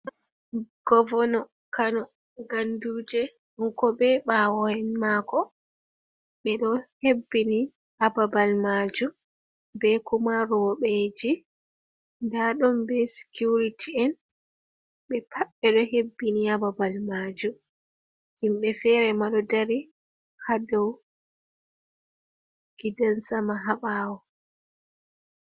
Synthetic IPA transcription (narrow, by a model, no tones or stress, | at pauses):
ɡ̥ɔvɔnɔ | kanɔ | ɡanduːd͡ʒɛ | ɗuŋkɔbɛɓawɔhɛnmakɔ | ɓɛɗɔhebːini | ababalmad͡ʒu | bɛkumaɾɔɓed͡ʒi | ndaɗɔmbɛsi̥kuɾitʰiɛn | ɓɛpʰaɓːɛɗɔhebːiniababalmaːd͡ʒu | himɓɛfɛɾɛmaɗɔdaɾi | hadɔw | ɡ̥idansamaɦaɓaːwɔ